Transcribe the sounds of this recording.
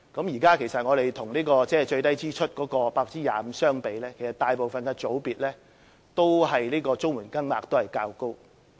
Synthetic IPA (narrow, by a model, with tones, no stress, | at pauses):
kɐ˨˥mjiː˨˩kaː˥kʰe˨˩jsɐ˨t̚ŋɔː˨˧ɾe˨jt̪ʰʊ˨˩ŋniː˥kɔː˧t͡sɛː˥t͡ʃɵ˧ɥt̪ɐ˥jt͡siː˥t͡ʃʰɵ˥t̚kɔː˨˥kɔː˧paː˧k̚t͡siː˥jaː˨m̩˨˧sœː˥ŋpe˨˧jlɛː˥kʰe˨˩jsɐ˨t̪aː˨jpo˨wfɐ˨nkɛː˧t͡so˨˥wpiː˨t̚lɛː˥ | t̪o˥wɦɐ˨jliː˥kɔː˧t͡sʊ˥ŋwuː˨˩nkɐ˥ŋmaː˨k̚t̪o˥whɐ˨˩jkaː˧wko˥w